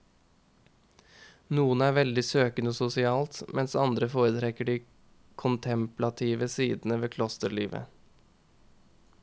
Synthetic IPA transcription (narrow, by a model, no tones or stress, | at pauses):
nuːənæːɾʋɛld̪ɪsøːkənɔsʊsɪɑːlt̪mʔɛnsɑnd̪ɾəfoːɾət̪ʰɾɛkəɖiː | kʰʊnt̪ʰɛmplɑt̪ʰiːʋəsiːd̪n̩əʋeːkʰlɔst̪əɾɭiːʋə̰